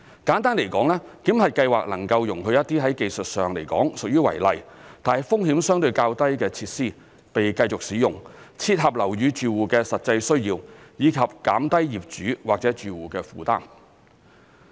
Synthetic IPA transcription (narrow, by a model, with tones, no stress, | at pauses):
kaː˨˥nt̪aː˥nle˨˩jkɔː˨˥ŋlɛː˥k̪iː˨˥mhɐ˨jkɐ˧jwaː˨k̚lɐ̰˨˩ŋkɐ˧wjʊ˨˩ŋɦɵ˨˧ɥjɐ˥t̚t̪iː˥ɦɐ˨˥jke˧˨˧jsɵ˨t̚sœː˨ŋle˨˩jkɔː˨˥ŋsʊ˨k̚jyː˥wɐ̰˨˩jlɐ̰˨jt̪aː˨nhɐ˨jfʊ˥ŋhiː˨˥msœː˥ŋt̪ɵ˧ɥkaː˧wt̪ɐ˥jkɛː˧t͡sʰiː˧t̚siː˥˩ | pe˨jkɐ˧jt͡sʊ˨k̚siː˨˥jʊ˨ŋt͡sʰiː˧t̚ɦɐ˨˩p̚lɐ˨˩wjyː˨˧t͡ʃyː˨wuː˨˩kɛː˧sɐ˨t̚t͡sɐ˧jsɵ˥ɥjiː˧wjiː˨˧kʰɐ˨p̚kaː˨˥mt̪ɐ˥jjiː˨p̚t͡ʃyː˨˥waː˨k̚t͡sɛ˨˥t͡ʃyː˨˩wuː˨˩kɛː˧fuː˨t̪a̰ː˥m